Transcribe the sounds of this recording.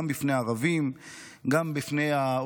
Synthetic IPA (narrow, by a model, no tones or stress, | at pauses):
mbifneaːʁavim | ɡambifne̞ja